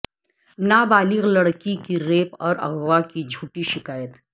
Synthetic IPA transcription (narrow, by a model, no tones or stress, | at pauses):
nabaːlɪɣlɐɽkikiɾeːpɔːɾɐ̰ɡwakid͡ʒʱuːʈiʃɪkaːjət̪